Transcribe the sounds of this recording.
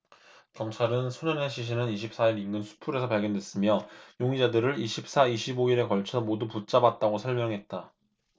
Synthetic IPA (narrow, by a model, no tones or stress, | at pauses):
kʌmt͡ɕʰaɾɯnsʰoɲʌneɕʰiɕ̬ʰinɯniɕ̬ʰip̚s͈aiɾiŋɡɯnsʰu̥pʰuɾe̞sʰʌpaɭɡjʌndwe̞s͈ɯmjʌjoŋid͡ʑadɯɾɯɾiɕʰip̚s͈aiɕʰiboiɾe̞kʌɭt͡ɕʰʌmoduput͡ɕ͈abat̚t͈aɡosʰʌɭmjʌŋɦe̞t̚t͈a